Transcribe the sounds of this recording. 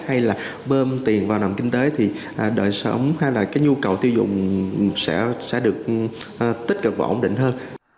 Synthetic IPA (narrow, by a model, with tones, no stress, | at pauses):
ha˧jlaː˨˩ | ɓəː˧mt̪i˨˩ənvaː˨˩wna˨˩wŋ͡mkï˧ŋ̟t̪e˨˦t̪ʰi˨˩ | ʔɗəː˨˩jsə̰˨˦wŋ͡mha˧jlaː˨˩kaː˨˦jɲu˧kə˨˩wt̪ʰi˧wzʊ̰˧˨ŋ͡msɛ̰˧˥sɛ̰˧˥ɗɨ˨˩ək̚ː | t̪i˦˥t̟̚kə˨˩ɓɔ̰˧˩ʔə˧˦ŋ͡mɗḭ̈˧˨ŋ̟ɦəː˧n